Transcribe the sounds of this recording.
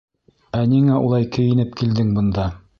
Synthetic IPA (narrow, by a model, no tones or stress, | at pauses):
æniŋæʔṵlˠɑjkɵ̆jɘ̆nɘpkild̪ɘŋbɤ̆nd̪ɑ